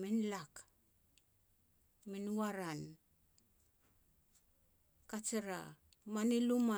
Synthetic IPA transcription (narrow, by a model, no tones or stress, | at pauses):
minlak | minuaɾan | kat͡ʃeɾa̰ | maniluma